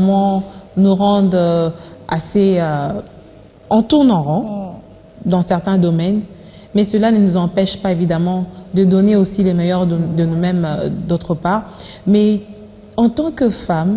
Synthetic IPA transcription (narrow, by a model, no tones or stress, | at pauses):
mɑ̃nuʁɑ̃d̪ʁ | a̰seø | ɑ̃t̪uʁnɔ̃ʁɑ̃ | d̪ɑ̃sɛʁt̪ɛ̃d̪ɔmɛn | mɛsəlanənuzɑ̃pɛʃpaevid̪amɑ̃d̪əd̪ɔneosilemɛjœʁd̪ənumɛmd̪ot̪χəpaʁmɛ | ɑ̃t̪ɑ̃kəfam